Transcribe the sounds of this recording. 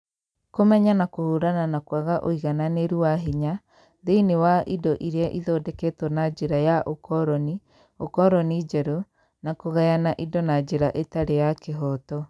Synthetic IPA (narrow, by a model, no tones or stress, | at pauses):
komɛɲanakohoːɾananakwaɣaʔoiɣananeɾuwaɦiɲa | ðeinewaʔidɔʔiɾeaʔiðɔːdɛketwɔnad͡ʒeɾajaʔokɔɾɔni | okɔɾɔnid͡ʒɛɾo | nakoɣɛjanaʔidɔnad͡ʒeɾaʔetaɾejakeɦɔtɔ